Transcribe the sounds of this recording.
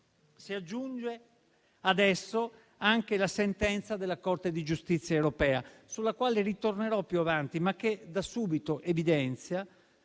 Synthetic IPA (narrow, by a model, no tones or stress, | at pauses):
siad͡ʒːund͡ʒe | ad̪ɛsːo | aŋkelasent̪ɛnt̪sad̪elːakort̪ed̪id͡ʒust̪it̪sːjaewɾopɛːasulːakwaːlerit̪orneɾɔpːjuavant̪imak̟ːed̪asuːbit̪oʔevid̪ɛnt̪sja